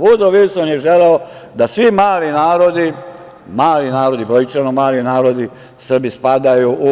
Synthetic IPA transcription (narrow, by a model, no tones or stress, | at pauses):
ʋud̪oʋilsonjeʒeleo | d̪asʋimaːlinaːɾod̪i | maːlinaːɾo̞d̪ibɾojt͡ʃanomaːlinaːɾo̞d̪i | sr̩bispad̪ajuʔu